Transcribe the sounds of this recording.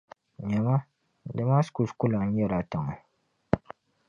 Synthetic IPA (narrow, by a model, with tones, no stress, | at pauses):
ɲɛ˨ma˦ | da˨ma˦sku˨skʊ˦la˨˦jɛ˦la˨ta˨ŋa˨